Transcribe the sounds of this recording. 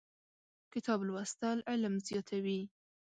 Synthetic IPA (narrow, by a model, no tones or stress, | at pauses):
kɪt̪ʰɑblwast̪alʔɪləmzjɑt̪ʰawi